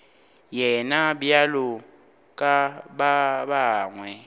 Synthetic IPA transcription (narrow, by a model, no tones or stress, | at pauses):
jɛnabjalʊ | kʼababaːŋwɛ